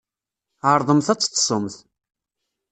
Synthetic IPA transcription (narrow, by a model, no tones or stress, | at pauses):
ʕəɾˤðˤəmθæt͡sːt̪ːsˤəmθ